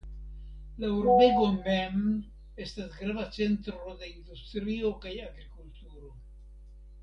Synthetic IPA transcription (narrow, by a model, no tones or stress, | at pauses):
lauwɾobeɡo̞mem | e̞stasɡɾavat͡se̞ntɾo̞de̞ind̪ustɾio̞kajaɡɾikultuɾo̞